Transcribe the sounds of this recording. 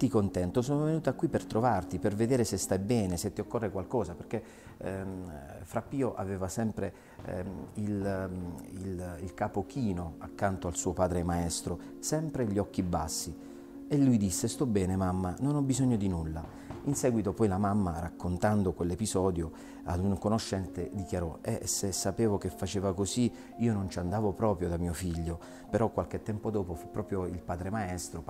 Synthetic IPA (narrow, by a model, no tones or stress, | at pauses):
t̪ikont̪ɛnt̪os̬oːnovenuːt̪akːwipːert̪ɾovart̪iperved̪eːɾesest̪ajbɛːneset̪ːiokːorːekwalkɔːzaperk̟e | fɾapːiːoʔa̰veːvasɛmpɾe | il | ililkaːpok̟ʰiːnoakːant̪oalsuːopaːd̪ɾemaɛst̪ɾo | sɛmpɾeʎːiɔk̟ːibasːi | elːujd̪isːest̪ɔbːɛːnemamːanonɔbːizɔɲːod̪inulːa | insɛːɡwit̪opɔjlamamːarakːont̪and̪okwelːepizɔːd̪jo | a̰d̪uŋkonoʃːɛnt̪ed̪ikjaɾɔɛsːesːapeːvok̟efːat͡ʃeːvakozi | iːonont͡ʃand̪aːvopɾɔːpɾjod̪amiːofiʎːo | peɾɔkːwalk̟et̪ːɛmpod̪ɔːpofupːɾɔːpɾjoilpaːd̪ɾemaɛst̪ɾo